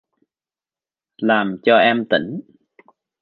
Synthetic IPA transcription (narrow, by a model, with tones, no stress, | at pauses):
laː˨˩mt͡ɕɔ˧ʔɛ˧mt̪ḭ˧˦ŋ